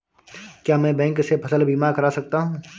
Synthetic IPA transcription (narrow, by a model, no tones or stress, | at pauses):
kjaːmɛ̃ːbɛ̃ːŋksepʰɐsəlbiːmaːɾkɐɾasɐk̚t̪aɦũː